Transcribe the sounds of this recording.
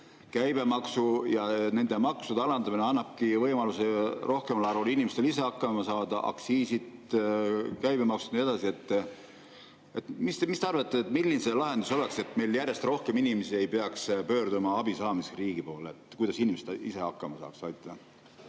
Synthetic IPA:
kæjb̥e̞mɑksujɑne̞nd̪̥emɑksud̪̥eɑlɑnd̪ɑmineɑnːɑb̥̚kivɤjmɑluserʔo̞hkemɑlɑɾulinʲimest̪eise̞ɑkːˑɑmɑsɑːd̪̥ɑʔɑ̰ksiːsid̪ | kæjbe̞mɑksud̥̪nie̞d̪̥ɑsie̞t̪ːˑ | e̞t̪mist̪emist̪eɑrvɑt̪ːˑet̪ˑmilːinse̞lɑɦe̞nd̪uso̞lekse̞t̪ːˑme̞jljærjest̪ro̞hke̞minimesie̞jpeɑkspøːɾd̪umɑɑbisɑːmisriːɡ̥ipo̞ːleet̪ˑkujd̪ɑsinʲimest̪ʔise̞ɑkːɑmɑsɑ̰ːksɑjt̪ɑɑ

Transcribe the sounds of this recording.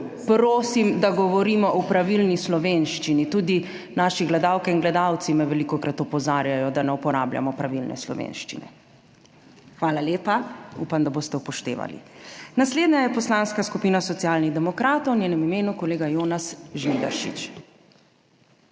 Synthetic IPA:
pɾoːsimd̪aɡɔʋɔɾiːmɔʔɔpɾaʋilnislɔʋeːnʃt͡ʃinit̪ud̪i | naːʃiɡlɛd̪aːwkɛinɡlɛd̪awt̪simɛʋɛlikɔkɾat̪ɔpɔzaːɾjajɔd̪anɛupɔɾaːblja̰mɔpɾaʋilnɛ̰slɔ̰ʋḛnʃt͡ʃḭnɛ̰ | xʋaːlaleːpaṵpamd̪aboːst̪ɛupɔʃt̪ḛːʋa̰lḭnasleːd̪ɲajɛpɔslaːnskaskupiːnasɔt̪ijaːlniɣd̪ɛmɔkɾaːt̪ɔwnʲjeːnɛmimeːnukɔleːɡajoːnasʒnid̪a̰ɾʃḭt͡ʃ

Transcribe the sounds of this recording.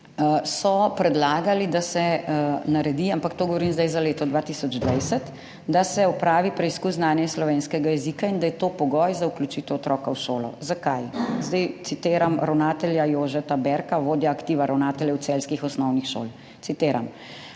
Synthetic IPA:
sɔpɾɛd̪laːɡalid̪asɛnaɾɛd̪iampakt̪oːɡɔʋɔɾiːmzd̪ajzaleːt̪ɔd̪ʋat̪isɔd͡ʒd̪ʋajsɛt̪ | d̪asɛɔpɾaːʋipɾɛiskuzznaːnjɛslɔʋeːnskɛɡajɛzikaind̪ajɛt̪oːpɔɡɔjzauklʲut͡ʃiːt̪ɛwɔt̪ɾɔːkawʃo̰ːlɔ̰zakajzd̪ajt̪sit̪eːɾamɾawnaːt̪ɛljajoːʒɛt̪abɛɾkaʋoːd̪jaːkt̪iːʋaɾʔawnaːt̪ɛljɛwt̪sɛlskixɔsnɔwnixʃo̰ːl | t̪it̪eːɾa̰m

